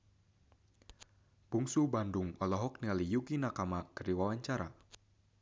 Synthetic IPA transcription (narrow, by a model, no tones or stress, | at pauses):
b̥uŋsubandʊŋɔlɔɦɔk̚nialijukinakamakəɾiwawaɲt͡ʃaɾa̰